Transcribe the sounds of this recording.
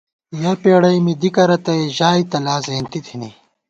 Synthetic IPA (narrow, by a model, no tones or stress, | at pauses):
jɐpeːɽɐjmid̪ikɐɾɐt̪ɐeʑaːit̪ɐlaːzeːnt̪it̪ʰine